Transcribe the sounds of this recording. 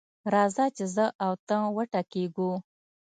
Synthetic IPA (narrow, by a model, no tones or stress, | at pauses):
ɾɑzɑt͡ʃezəʔawt̪əŋwəʈakeɡu